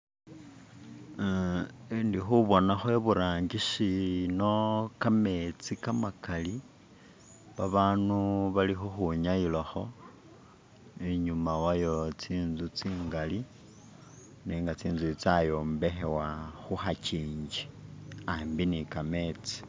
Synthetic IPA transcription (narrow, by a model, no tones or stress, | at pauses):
ndixuβo̞naxweβuɾaːɲɟiʃino̞kame̞t͡sikamakali | βaβaːnuβalixuxuɲailaxo̞ | eɲumawajo̞t͡siːnzut͡siːŋɡali | neːŋɡat͡siːnzut͡sajo̞ːmbe̞xe̞waxuxaciːɲd͡ʒiambinikame̞t͡si̥